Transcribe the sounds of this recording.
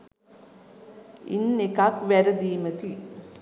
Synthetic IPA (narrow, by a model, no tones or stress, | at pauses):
ḭnːekakʋæɾəd̪iːmət̪i